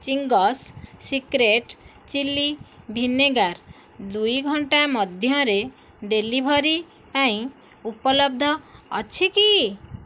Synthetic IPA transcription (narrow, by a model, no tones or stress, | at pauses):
t͡ʃiŋɡɔsːikɾeʈ | t͡ʃilːibʱinːeɡaɾ | d̪ujɡʱɔɳʈamɔd̪ʱjɔ̃ɾe | ɖelibʱɔɾi | ɛ̃j̃ | upɔlɔb̚d̪ʱɔːt͡ʃʰiki